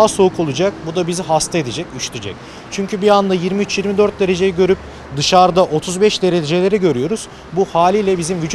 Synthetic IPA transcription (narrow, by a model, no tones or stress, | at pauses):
aso̞ukʰo̞lˠud͡ʒak̚bud̪abiziɦast̪ʰae̞d̪ed͡ʒɛcyʃt̪ʰyd͡ʒɛ̰c̚ | t͡ʃʰyɲcʰybiand̪ajiɾmiyt͡ʃjiɾmid̪ø̞ɾt̪̚d̪e̞ɾe̞d͡ʒe̞jiɟø̞ɾyp | d̪ɯʃaɾd̪aʔo̞t̪ʰuzbɛʃd̪e̞ɾe̞d͡ʒe̞lʲeɾiɟø̞ɾyjo̞ɾuz̥ | buhaːlʲiːlʲɛbizimvyd͡ʒu